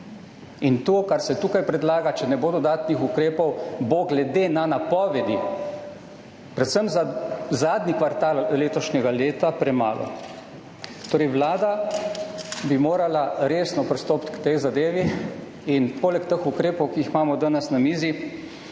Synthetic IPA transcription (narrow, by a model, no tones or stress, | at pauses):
int̪oːkaɾsɛt̪uːkajpɾɛd̪laːɡat͡ʃɛnɛboːd̪ɔd̪aːt̪nixukɾeːpɔwboɡlɛd̪enanapɔːʋɛd̪i | pɾɛt̪səmzzaːd̪nikʋaɾt̪aːlleːt̪ɔʃnɛɡaleːt̪apɾɛma̰ːlʔɔ̰ | t̪oːɾɛjʋlaːd̪a | bimoːɾalaɾeːsnɔpɾist̪oːpt̪kt̪ejzad̪eːʋi | inpoːlɛkt̪əxukɾeːpɔwkiixmaːmɔd̪anɛsnamiːzi